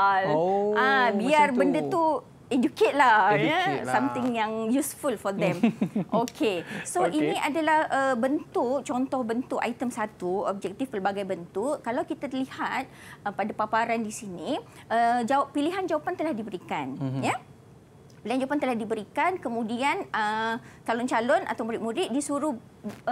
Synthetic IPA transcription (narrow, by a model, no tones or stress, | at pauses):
lãbiarbəndət̪u | ed͡ʒuket̪̚lahjsamt̪ɪŋjaŋjusfulfɔd̪ɛ̃mʔokʰesoʔinĩʔadalahʔəbənt̪uʔ̚t͡ʃɔnt̪ɔhbənt̪ʊʔa̰jt̪əmsat̪uɔ̰b̚d͡ʒɛk̚t̪ifpərbaɡajbənt̪uʔkalawkit̪alihat̪̚əpadapapaɾandisiniʔəd͡ʒawpiliɦand͡ʒawapant̪əlahdibəɾikanja | piliand͡ʒawapant̪əlahdibəɾikankəmũdianət͡ʃalɔnt͡ʃalɔna̰t̪awmuɾɪʔmuɾɪʔ̚disuɾuh